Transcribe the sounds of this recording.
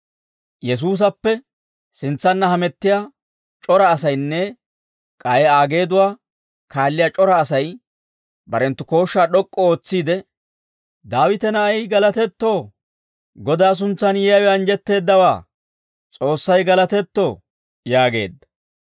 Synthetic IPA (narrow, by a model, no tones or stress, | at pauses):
jɛs̬uːs̬ɐpːɛ | sɪnt͡sːɐnːɐhɐmɛt̪ːɪjaː | t͡ʃʼɔɾɐːsɐjnːɛ | kʼɐjɛaːɡe̞ːd̪ʊwaː | kʰaːlːɪjat͡ʃʼɔɾɐːsɐj | bɐɾɛnt̪ːʊko̞ːʃːaːɗɔkʼːɔo̞ːt͡sːiːd̪ɛ | d̪aːwɪt̪ɛnɐɐjɡɐlɐt̪ɛt̪ːo̞ː | ɡɔd̪aːs̬ʊnt͡sːɐnjɛjɐwɛɐnd͡ʒɛt̪ːe̞ːd̪ːɐwa̰ː | t͡sʼo̞ːsːɐjɡɐlɐt̪ɛt̪ːo̞ː | jaːɡe̞̰ːd̪ːɐ̥